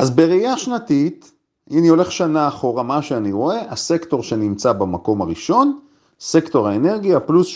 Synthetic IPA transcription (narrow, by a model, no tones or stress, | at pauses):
ʔazbeʁeijaʃnatit | ʔinio̞le̞χʃanaːχo̞ʁamaʃeaniʁo̞e̞ʔase̞kto̞ʁʃe̞nimt͡sabemako̞maʁiʃo̞n | se̞kto̞ʁaene̞ʁɡiaplus